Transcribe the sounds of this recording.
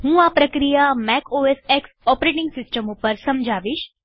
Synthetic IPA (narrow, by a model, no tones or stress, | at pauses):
ɦũːapɾəkɾijamɛkʰoeseksɔpɾeʈɪŋɡsɪsʈəmupəɾsəmd͡ʒʱaʋiʃ